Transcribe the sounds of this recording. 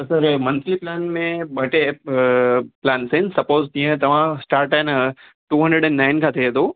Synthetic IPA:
sɐɾmɐ̃nt̪ɾiplɛːnmẽbʱɐʈe | plaːnsensɐpoːzt̪ĩɦə̃t̪ɐʋ̤ãsʈaːɾʈaɪn | ʈuːɦɐ̃ɳɖɾəɖɛ̃nːaːɪnkʰãt̪ʰiet̪ʰo

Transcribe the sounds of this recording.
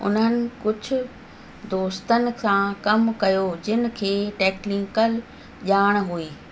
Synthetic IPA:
ʊ̰nənɪ̆kʊd͡ʑʱʊ̆ | d̪oːst̪ənɪ̆kãkɐmkɐjod͡ʑɪnɪ̆kʰeːʈɛːklɪ̃ŋkəl | ʄaːɽ̃ɦuiː

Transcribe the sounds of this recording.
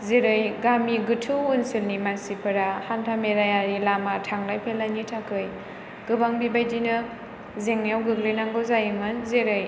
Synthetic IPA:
zeɾɯjɡamiɡɯtʰɯunsilnimansipʰɯɾahantʰameɾajaɾilamatʰaŋlajpʰelanitʰakʰɯj | ɡ̥ɯbaŋbibajdinɯ | zeŋnijawɡɯklɯjnaŋɡɯzajɯmɯnzeɾɯj

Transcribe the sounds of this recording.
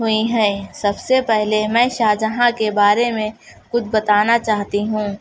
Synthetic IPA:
ɦʊiɦɛ̃ːsɐbsepɛɦlemɛ̃ːʃaːd͡ʒəɦãkebaːɾemẽ | kʊt͡ʃʰbɐt̪aːnat͡ʃaːɦt̪iɦũː

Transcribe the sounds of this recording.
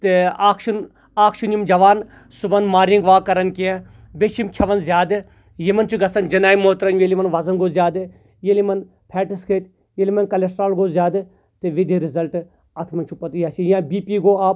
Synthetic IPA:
t̪eaːkʃun | aːkʃunjimd͡ʒɐʋaːn | subɐnmaːɾiŋɡʋaːkɐɾɐnkie | bet͡ʃʰimkʲʰɐʋɐnzjaːd̪ɨ | jimɐnt͡ʃʰuɡɐsɐnd͡ʒɐnaːimoːt̪ɾɐnʋelimɐnʋɐzɐnɡoːzjaːd̪ɨ | jelimɐn | pʰɛːʈiskʰeːt̪ | jelimɐnkɐlesʈɾaːlɡoːzjaːd̪ɨ | t̪eʋid̪iɾɪzɐlʈ | ɐt̪ʰmɐnt͡ʃʰupɐt̪jaːt͡ʃijãːbiːpiːɡoːaː

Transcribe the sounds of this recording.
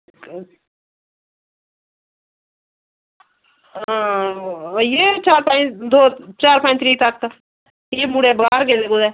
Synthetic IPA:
jeːt͡ʃaːɾpãd̪oːt͡ʃaːɾpãːnt̪ʰɾiːt̪əkː | jeːmuɽebaːɾɡeːd̪eːɡod̪eː

